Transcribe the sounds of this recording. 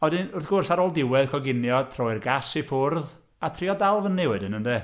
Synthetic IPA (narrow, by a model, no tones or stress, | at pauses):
ɔdɨnʊrθɡ̥ʊrsaɾoːlˠdɪwɛð̥kʰɔɡɪnjɔtʰrɔɨrɡasifʊrð | atʰriːɔdalˠvənːɪwɨdənənde